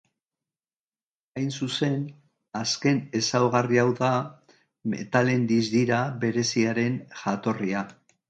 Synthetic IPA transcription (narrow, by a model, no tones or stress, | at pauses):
ajnsuse̞n | aske̞ne̞sawɣariawða | me̞̰t̪ale̞nd̪izd̪iɾaβe̞ɾe̞siaɾe̞nʝat̪o̞ria